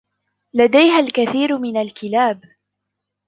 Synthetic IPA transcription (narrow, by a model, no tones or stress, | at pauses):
lad̪ajɦalkaθiːɾmɪnalkɪlaːb